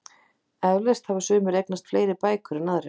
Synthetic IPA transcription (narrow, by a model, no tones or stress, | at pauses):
ɛvlest̪havasʏːmʏɾejknast̪fleːjɾɪpaːjkʰʏɾɪnaðɾɪ